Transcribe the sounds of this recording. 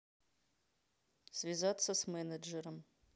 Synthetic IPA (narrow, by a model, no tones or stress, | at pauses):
svʲizat̪sɐsmɛnɐd͡ʒɛɾəm